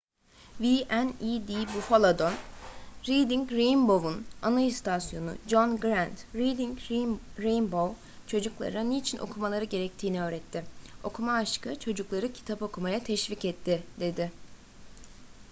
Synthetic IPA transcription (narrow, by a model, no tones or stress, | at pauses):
viʔɛnid̪ibufolˠad̪o̞nɾid̪iɲcɾejmbo̞vunanaist̪ʰasjo̞nṵd͡ʒonɡɾænt̪ɾid̪iŋcɾejnbow | t͡ʃʰo̞d͡ʒuklˠa̰ɾaneit͡ʃʰinʔo̞̰kʰumalˠaɾɯɟe̞ɾɛc̚t̪ʰiːniø̞ːɾɛt̪ʰːɪo̞kʰumaːʃkɯt͡ʃʰo̞d͡ʒuklˠaɾɯcʰi̥t̪ʰapo̞kʰumajat̪ʰɛʃvicɛt̪ʰːɪd̪̥e̞d̪ɪ